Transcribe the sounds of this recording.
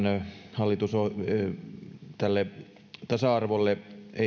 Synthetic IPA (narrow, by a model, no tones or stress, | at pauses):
nhɑlːit̪uso | t̪ælːe | t̪ɑsɑɑrʋolːee